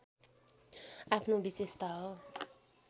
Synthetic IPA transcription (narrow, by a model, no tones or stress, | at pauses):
apʰnõbisest̪a